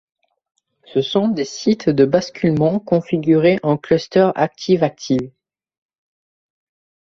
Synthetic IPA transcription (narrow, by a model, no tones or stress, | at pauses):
səsɔ̃d̪esit̪d̪əbaskʲylmɑ̃kɔ̃fiɡʲyʁeʔɑ̃klɔst̪œʁa̰k̚t̪ʰivak̚t̪ʰiv